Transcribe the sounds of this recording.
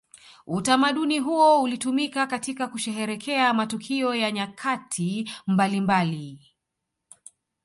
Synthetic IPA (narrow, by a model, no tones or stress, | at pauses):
utamaɗuniɦuɔulitumikakatikakuʃɛɦɛɾɛkʰɛamatukʰiɔjaɲakʰatʰimbalimbali